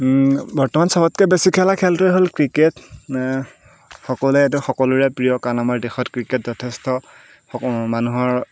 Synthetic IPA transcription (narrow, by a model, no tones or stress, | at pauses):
bɔɹtɔmansɔbɔtkɛbesikʰɛlakʰɛltɹɛɦolkɹiket | xɔkɔlɛet̬uxɔkɔluɹɛpɹijɔkanamaɹdexɔtkɹiket̚zɔtʰestɔ | manuɦɔɹ